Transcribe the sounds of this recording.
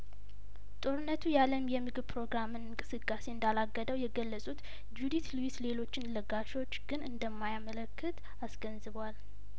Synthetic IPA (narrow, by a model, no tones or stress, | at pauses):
t̪ʼo̞ɾɨnːət̪ʰujaləmjɛmɨɡɨβpɾo̞ɡɾamɨnɨŋkʼɨsɨkʼːase̞ɨnd̪alaɡːəd̪əwjɛɡəlːəsʼut̪ | d͡ʒud̪it̪luwisle̞lo̞t͡ʃːɪnləɡaʃo̞t͡ʃːɡ̥ɨnɨnd̪əmːajamələkːɨt̪ | asɡ̥ənzɨβwal